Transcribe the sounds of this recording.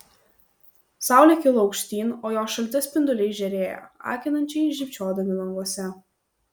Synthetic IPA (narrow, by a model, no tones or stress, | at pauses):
sɑˑʊlʲɛˑkʲɪlˠɒʊkʃʲt̪ʲiːnoːjoːʃɐlʲt̪ʲɛspʲɪnd̪ʊlʲɛɪʒʲɛɾʲeːjɛ̰ɑ̰ːkʲɪnɐnʲt͡ʃʲɛɪʒʲɪpʲt͡ʃʲoːd̪ɐmʲɪlˠɐŋɡuɔsʲɛ